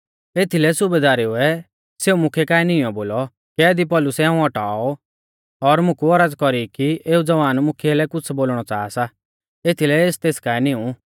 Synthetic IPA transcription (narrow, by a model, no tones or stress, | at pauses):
eːt̪ʰilɛsʊbed̪aːɾeʊɛ | seːumʊkʰɛkaːɛnɪ̃ɔ̃boːlɔ | kɛːd̪ip̬ɔlʊsɛãːũɔʈa̰ːɔ | ɔɾmʊ̃kuɔɾəd͡zkɔɾikieːud͡zɐʋaːnmʊkʰɛlɛkʊt͡sʰboːlɽ̃ɔt͡saːasa | eːt̪ʰilɛeːst̪eːskaːɛnĩũ